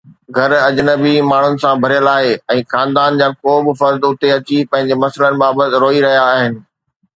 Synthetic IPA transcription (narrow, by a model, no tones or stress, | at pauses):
ɡʱɐɾɐd͡ʑnəbimaːɳ̤ʊnɪ̆sãbʱɐɾijəlaːɦeɛ̃ːxãːnd̪aːnd͡ʑaːkoːbɪfɐɾd̪ʊt̪eɐt͡ɕipɐ̃ɦɪ̃ɲd͡ʑemɐslənɪ̆baːbət̪ɪɾoːiɾɐɦijaːɦɪnɪ̆